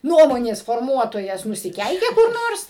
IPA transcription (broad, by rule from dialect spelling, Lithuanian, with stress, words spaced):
ˈnuɔmoːnʲeːs foːrˈmuɔtoːjɛs nʊsʲɪˈkʲɛɪkʲeː kʊr ˈnoːrs